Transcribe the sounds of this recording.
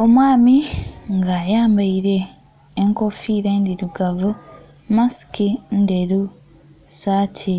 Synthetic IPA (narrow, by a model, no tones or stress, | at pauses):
o̞mwaːmiŋɡaːjaːmbaiɾe̞ː | ŋko̞fiːɾeːndiɾuɡavu | masi̥kindeɾu | saːtʰi